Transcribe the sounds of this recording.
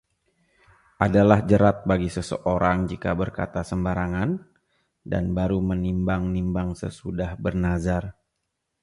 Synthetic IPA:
ʔadalahd͡ʒəɾat̪̚baɡisəsə̰ʔoɾaŋd͡ʒika̰bərka̰t̪asəmbaɾaŋan | da̰nbaɾumənimbaŋnimbaŋsə̰sudahbərnazar

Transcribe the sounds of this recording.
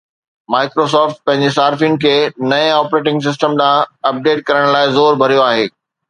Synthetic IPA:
maːɪkɾos̬ɔːfʈ̚pɐ̃ɦɪ̃ɲd͡ʑesaːɾfĩn̆kʰeːnɐẽɔːpɾeːʈɪ̃ŋɡs̬ɪs̬ʈəmɗãːɐp̚ɖeːʈ̚kɐɾəɽ̃laːɪzoːɾbʱɐɾijoaːɦeː

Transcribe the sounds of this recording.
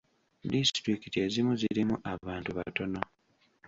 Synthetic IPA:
distɾikitie̞zimuziɾimuʔaβaːntuβato̞no

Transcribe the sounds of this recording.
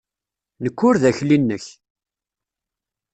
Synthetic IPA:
nəkːʊɾðæçlinːəç

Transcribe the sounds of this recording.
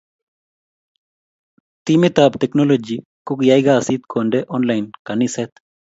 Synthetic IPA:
t̪imet̪ap̚t̪eknolod͡ʒi | kukjajɡaːsiːt̪koɳɖeʔɔnlajnkaniset̪

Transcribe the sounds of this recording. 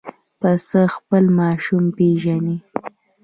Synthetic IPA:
pəsəxpəlmɑʃumpeʒani

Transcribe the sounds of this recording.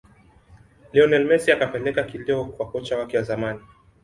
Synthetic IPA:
liɔnɛlmɛsiakapɛlɛkakiliɔkwakɔt͡ʃawakɛjazamani

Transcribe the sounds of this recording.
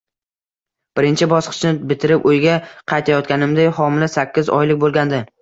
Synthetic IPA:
b̥ɪɾɪnt͡ʃʰɪbɒsqʰɨ̥t͡ʃnɪbɪt̪ʰɪɾɪpʊjɡʲaqʰɑjt̪ʰajɒt̪̚kʲanɪmd̪ajhɒmɪlasakʲːɪzɒ̰jlɪk̚ʲbolˠɡʲand̪ɪ

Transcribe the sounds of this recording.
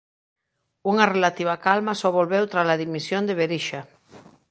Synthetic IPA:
uŋarelat̪iβ̞akalmasoβolβewt̪ɾalaðimisjond̪eβeɾiʃa

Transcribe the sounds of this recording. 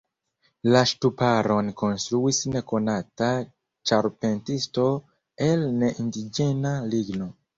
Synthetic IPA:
laʃtupaɾo̞nko̞nstɾuisne̞ko̞nata | t͡ʃaɾpe̞ntisto̞ | e̞lne̞ʔindid͡ʒe̞naliɡno̞

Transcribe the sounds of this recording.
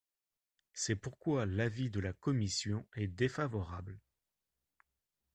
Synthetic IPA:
sɛpuʁkwalavid̪əlakɔmisjɔ̃ɛd̪efavɔʁabl

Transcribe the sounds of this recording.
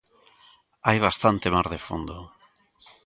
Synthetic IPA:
ajβ̞ast̪ant̪emaɾðefond̪o

